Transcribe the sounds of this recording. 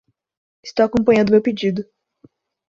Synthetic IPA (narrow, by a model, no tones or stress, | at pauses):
ɪ̥st̪owakõmpɐ̃ɲɐ̃nd̪ʊmewped͡ʒid̪ʊ